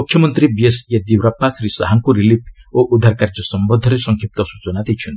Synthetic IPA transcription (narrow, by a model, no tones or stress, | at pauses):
mukʰjɔmɔnt̪ɾibiesjad̪iwɾapːasɾisa̰ɦaŋkuɾilip̚ʰoʔud̪ʱaɾkaɾd͡ʒɔsɔmbɔd̪ʱɔɾesɔŋkʰjip̚t̪ɔsu̥t͡ʃɔnat̪et͡ʃʰɔnt̪i̥